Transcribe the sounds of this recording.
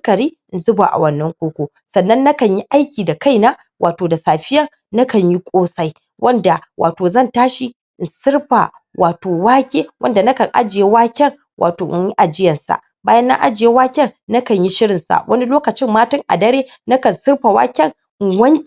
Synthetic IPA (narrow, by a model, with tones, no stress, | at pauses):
skɐ˨ɾiː˦ʔɪ˨nzʊ˦ba̰˨ʔa̰˨wɐ˦nːɐ˦ŋkʷoː˦kʷoː˨ | sɐ˨nːɐ˦nːɐ˦kɐ˨ɲji˦ʔa˦jkʲiː˨da˨ka˦jnaː˦ | wʔaː˨toː˨da˨saː˨ɸɪ˦jɐ˦ŋ | nɐ˦kɐ˨ɲji˦kʷʼoː˦sa˦j | wʔɐ˦nda˨wʔa̰ː˨toː˨zɐ˦˨ntaː˦ʃi˨ | ʔɪ˨nsɪ˦rɸa˨ | wʔaː˨toː˨waː˦kʲeː˦wɐ˦nda˨nɐ˦kɐ˨ŋʔa̰˦d͡ʒɪ˨je˦waː˦kʲɛ˦˨ŋ | wʔa̰ː˨toː˨ʔɪ̰˦ɲji˦ʔa˨d͡ʒɪ˦jɐ˨nsa̰˨ʔ | baː˦jɐ˦nːa̰˦ʔa˦d͡ʒɪ˨je˦waː˦kʲɛ˦ŋnɐ˦kɐ˨ɲji˦ʃɪ˦ɾɪ˨nsa̰˨ʔwʔɐ˦ni˦loː˦kɐ˨t͡ʃɪ˦mːaː˦tɪ˦ŋʔa̰˨dɐ˦ɾeː˦ | nɐ˦kɐ˨nsɪ˦rɸa˨wa̰ː˦kʲɛ˦ŋ | ɪ˨wɐ˦ŋkʲ